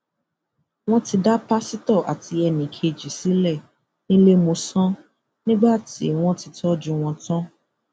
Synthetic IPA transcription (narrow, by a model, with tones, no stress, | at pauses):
w̃ɔ̃˦ti˧da˦pa˦si˦tɔ˦˨ʔa̰˨ti˧ɛ˧nĩ˨kʰe˧˨d͡ʒi˨si˨˦lɛ˦˨ | nĩ˦le˦mo˧sɔ̃˦ | nĩ˦ɡ͡ba˦˨tḭ˨˦w̃ɔ̃˦ti˧tɔ˦d͡ʒũ˧w̃ɔ̃˧tɔ̃˦